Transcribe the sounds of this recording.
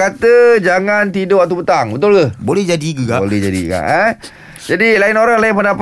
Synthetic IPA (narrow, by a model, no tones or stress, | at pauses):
kat̪əd͡ʒaŋant̪idoat̪upət̪aŋbət̪ʊlkəbolɛhd͡ʒadikəkalɛhd͡ʒadḭka̰ʔə | d͡ʒadilaɪnoɾaŋlaɪnpəndap